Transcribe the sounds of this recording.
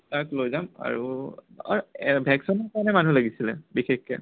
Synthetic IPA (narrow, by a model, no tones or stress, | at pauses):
taklojzama̰ɹu | a̰bʱɛksɔnɔkanɛmanulaɡisilɛ̰bixexkːɛ̰